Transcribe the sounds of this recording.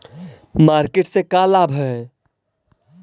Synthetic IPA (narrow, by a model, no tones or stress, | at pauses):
maːɾkeːʈsekaːlaːbʱɛ